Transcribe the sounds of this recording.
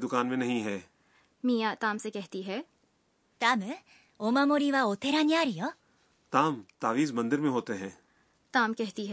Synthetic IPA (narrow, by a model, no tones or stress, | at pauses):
d̪ʊkaːnmẽnɐɦĩɦɛː | miːjat̪aːmsekɛɦt̪iɦɛː | t̪am | omamoɾiʋaot̪ʰeɾaɲjaːɾijo | t̪aːmt̪aːʋiːzmɐ̃nd̪ɪɾmẽɦoːt̪eɦɛ̃ː | t̪aːmkɛɦt̪iɦɛ